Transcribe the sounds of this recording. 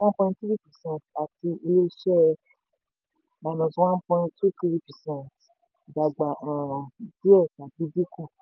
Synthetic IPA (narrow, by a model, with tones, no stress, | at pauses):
wã˦pɔ̃˧ĩ˧tti˦i˦pɛ˨sɛ̃˦n˨ta˨ti˧i˧le˦ʃɛ˦˧ | ma˨nɔ̃˨sũ˧wã˦npɔ̃˧j̃tu˦ti˦ɾi˦pɛ˨sɛ̃˦˨nt | ɡ͡ba˨ɡ͡ba˨ã˨di˦ɛ˦˨sa˨bi˨˦bi˦kũ˦˨